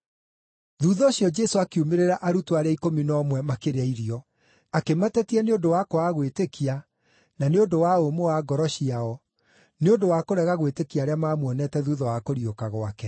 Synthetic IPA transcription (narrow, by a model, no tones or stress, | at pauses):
ðuːðɔɕiɔd͡ʒɛsoakiumeɾeɾaʔaɾutwaɾeaikominɔːmwɛmakeɾeaiɾiɔ | akematɛtiɛneondowakoaɣwetekia | naneodowaomowaɡɔɾɔɕiaɔ | neondowakoɾɛɣaɣwetekiaːɾeamaːmwɔnɛtɛðuːðɔwakoɾiokaɣoakɛ